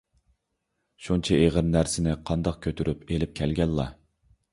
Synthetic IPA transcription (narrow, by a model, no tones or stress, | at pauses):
ʃunt͡ʃʰɛeʁəɾnæɾsɪnɪqʰɑnd̪ɑq̚kʲʰøt̪ʰyɾʔypelɪp̚kʲʰɛlɡʲɛlːɑ